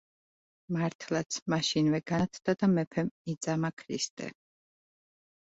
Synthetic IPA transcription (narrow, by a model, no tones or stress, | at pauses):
maɾt̪ʰlˠat̪sʰmaʃinvɛɡ̥at̪ʰd̪ad̪amɛpʰɛmid̪zʼamakʰɾḭst̪ʼɛ̰